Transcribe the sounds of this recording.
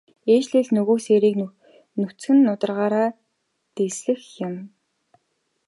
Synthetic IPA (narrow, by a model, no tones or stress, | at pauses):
eːt͡ɕɮeːɮnɵɣoːseːɾiːk | nɵt͡sxɘ̆nːʊt̪ə̆rʁaːɾaː | t̪esɮɘ̆xjʊ̆m